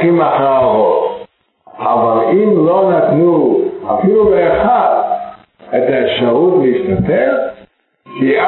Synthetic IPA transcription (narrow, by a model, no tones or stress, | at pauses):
imaχaot̪ | ʔavalimlo̞nat̪nua̰filuleːχaʁ | et̪aefʃaʁut̪leiʃt̪at̪el | kia